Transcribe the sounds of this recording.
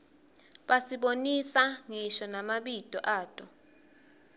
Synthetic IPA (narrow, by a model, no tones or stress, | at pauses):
ɓasiɓonisaŋiʃɔnamaɓid̥ʼʱɔʔaːd̥ʼɔ